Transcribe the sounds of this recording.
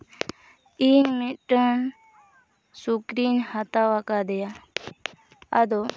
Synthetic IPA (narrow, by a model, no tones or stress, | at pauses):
iːnmiʈən | sukɾinhat̪awakad̪eja | ɐ̰d̪o